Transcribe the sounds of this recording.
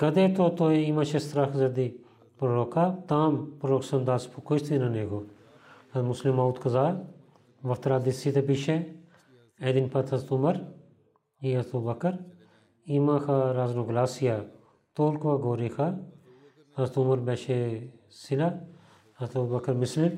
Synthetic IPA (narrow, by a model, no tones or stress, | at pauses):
kɐd̪eːt̪oːt̪oːeimãːt͡ʃʰest̪ɾaːkzɐd̪i | pɾoɾoːkaːt̪aːmpɾɾoːksɐnd̪aːspʰukoʃt̪ʰinaneːɡoː | ɐmʊslimaːuːd̪kɐzaː | ʋɐft̪ɾaːd̪isit̪epiʃʰe | eːd̪inpɐt̪ʰɐzt̪uməɾ | iɐt̪ʰobɐkəɾ | imãːkʰaɾaːznoɡlaːsijaː | t̪oːlkʋaɡoːɾikʰa | hɐzt̪umɐɾbɛːʃe | sila | ɐt̪ʰobɐkəɾmɪslɪ